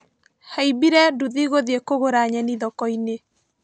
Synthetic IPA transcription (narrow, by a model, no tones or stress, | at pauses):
haibiɾɛduðiɣoðiekoɣoɾaɲɛniðɔkɔine